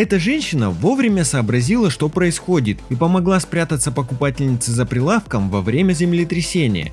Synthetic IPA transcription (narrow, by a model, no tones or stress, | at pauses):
ɛt̪əʐɛnʲɕɪnəvo̞vɾʲɪmʲəsəːbɾɐzʲilˠəʂt̪o̞pɾəɪsxodʲɪt̪ipəmɐɡlˠaspɾʲat̪ət̪sːəpəkʊpatʲɪlʲnʲɪt̪sɨzəpɾʲɪlˠafkəmvɐvɾʲemʲəzʲɪmlʲɪt̪ɾʲɪsʲenʲɪ̰jə̰